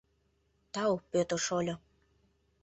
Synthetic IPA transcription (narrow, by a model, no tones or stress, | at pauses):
t̪ɑwpøt̪ə̆ʃolʲo